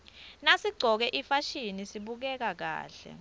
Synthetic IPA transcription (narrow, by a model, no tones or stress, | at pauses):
nasiɡ͡ǀʱɔk̬ɛʔifaʃinisiɓuk̬ɛk̬ak̬a̰ːɬɛ̰